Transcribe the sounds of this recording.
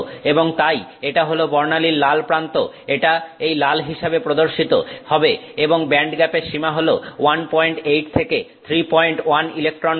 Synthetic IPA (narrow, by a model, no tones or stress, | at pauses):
eboŋt̪ajeʈaɦolobɔɾnaliɾlalpɾant̪o | eʈaejlalɦiʃabepɾod̪oɾʃit̪o̰hɔbeeboŋbɛɳɖɡɛpeɾʃimaɦolowanpɔjɳʈejʈ̚t̪ʰeket̪ʰɾipɔjɳʈwanilek̚ʈɾon